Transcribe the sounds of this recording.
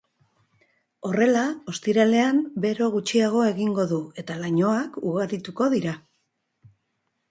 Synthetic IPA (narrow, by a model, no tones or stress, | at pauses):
o̞re̞lao̞st̪iɾale̞ambe̞ɾo̞ɣut͡ʃiaɣ̞o̞e̞ɣiŋɡo̞ðue̞t̪alaɲo̞akuɣaɾit̪uko̞ðiɾa